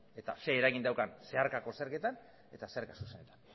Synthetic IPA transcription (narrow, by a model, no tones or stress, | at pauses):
e̞t̪a̰se̞ːɾaɣind̪awkanse̞aɾkako̞seɾke̞t̪an | e̞t̪aseaɾkasuse̞ne̞t̪ḁn